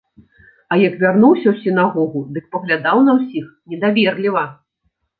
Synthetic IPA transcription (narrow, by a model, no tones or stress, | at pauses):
ɐjɐkvʲarnuwsʲɐwsʲinaɣɔɣud̪ɨk̚pɐɣlʲad̪awnɐwsʲixnʲɛd̪avʲɛrlʲivɐ